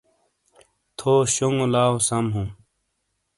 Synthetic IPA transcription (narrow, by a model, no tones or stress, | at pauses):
t̪ʰoːɕuŋolaːosɐmɦũː